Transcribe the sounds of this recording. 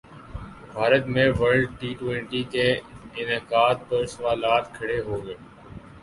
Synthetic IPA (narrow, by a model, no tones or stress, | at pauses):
bʱaːɾət̪mẽːʋəɾɖ̚ʈiːʈwẽːɳʈiːkeɪnekaːd̪̚pəɾsəʋaːlaːt̪kʰəɽeɦoːɡəeː